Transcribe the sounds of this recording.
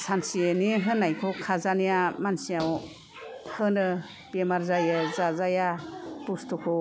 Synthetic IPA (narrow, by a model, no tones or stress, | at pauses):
sansieniɦɯnːajkʰɔkʰazanijamansijaw | hɯnɯ | b̥emaɾzajɯzazajab̥ustʰukʰɔ